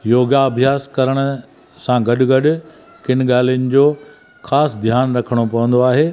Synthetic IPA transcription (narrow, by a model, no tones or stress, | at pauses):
joːɡaɐbʱjaːskɐɾəɽ̃ʊ̆ | sãɡɐɗʊɡɐɗʊ̆ | kɪnɠaːl̤ijənɪ̆d͡ʑoː | xaːsd̪ʱjaːnɾɐkʰəɽ̃opɐʋə̃nd̪oaːɦeː